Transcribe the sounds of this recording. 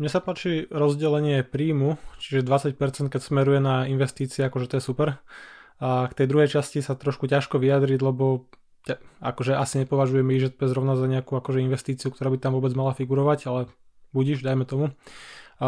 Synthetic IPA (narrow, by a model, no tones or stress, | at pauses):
mɲɛsapaːt͡ʃiɾɔzɟɛlɛɲɪɛpɾiːmut͡ʃiʒɛd̪ʋat͡sacpɛɾt͡sɛnt̪̚kɛcsmɛɾujɛnainʋɛst̪iːt͡siɛakɔʒɛt̪ɔjɛsupɛɾ | akt̪ɛjd̪ɾuɦɛjt͡ʃascisat̪ɾɔʃkucaʃkɔʋiad̪ɾiɟlɛbɔ | caa̰kɔʒɛʔasiɲɛpɔʋaʒujɛmiʒɛt̪̚pɛzɾɔʊnazaɲɛakuakɔʒɛinʋɛst̪iːt͡siukt̪ɔɾaːbit̪amʋʊɔbɛd͡zmalafiɡuɾɔʋaɟalɛ | buɟiʒd̪ajmɛt̪ɔmu